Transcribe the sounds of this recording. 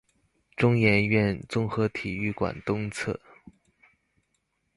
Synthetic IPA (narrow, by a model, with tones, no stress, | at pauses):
ʈ͡ʂʊ˥ŋjɛ˧˥nɥɛ˥˩nt͡sʊ˥ŋxɤ˧˥t̪ʰi˨˩y˥˩kwa̰˨˩nt̪ʊ˥ŋt͡sʰɤ̰˥˩